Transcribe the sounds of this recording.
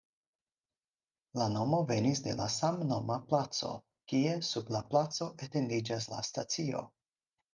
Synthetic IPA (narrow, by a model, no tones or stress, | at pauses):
lano̞mo̞ve̞nisde̞la̰samno̞maplat͡so̞̰ | kie̞sublaplat͡so̞ʔete̞ndid͡ʒas̬la̰stat͡sio̞̰